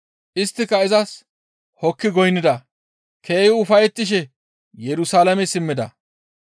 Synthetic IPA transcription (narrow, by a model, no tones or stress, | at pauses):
ʔɪst̪ːɪkːɐɪzɐs | hɔkːɪɡɔjnːɪd̪ɐ | kʰe̞ːjɪʊfɐjɛt̪ːɪʃ̬ɛ | jɛɾʊsaːlɐmɛsɪmːɪd̪ɐ̰